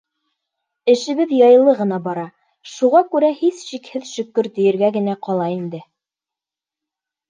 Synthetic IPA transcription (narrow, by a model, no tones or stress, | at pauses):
ɘ̆ʃɘ̆βɘðjɑjɤ̆lˠɤʁɤ̆nɑbɑɾɑ | ʃuʁɑkʉɾæhisʃikhɘðʃɵ̆kːɵɾt̪ɵ̆jɘ̆ɾɡæɡɘ̆næqɑlˠɑind̪ɘ